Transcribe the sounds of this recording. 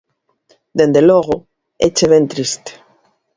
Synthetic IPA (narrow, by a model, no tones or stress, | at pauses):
d̪end̪eloɣo | ḛt͡ʃeβent̪ɾist̪e̥